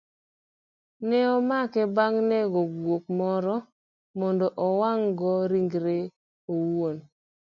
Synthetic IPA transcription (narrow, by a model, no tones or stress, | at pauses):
nɛɔmakɛbaŋnɛɡɔɡwok̚mɔɾɔ | mɔndɔʔɔwaŋɡɔɾiŋɡɾe | owon